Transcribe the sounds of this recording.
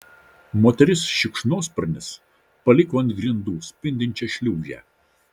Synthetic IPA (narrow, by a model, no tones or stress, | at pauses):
moːt̪ʲɛɾʲɪsʃʲɪkʃnoːspɐɾʲnʲɪs | pɐlʲɪkoːɐnt̪ɡɾʲɪnd̪uːsʲpʲɪnʲd̪ʲɪnʲt͡ʃʲɛʃʲlʲuːʒʲæ̰ː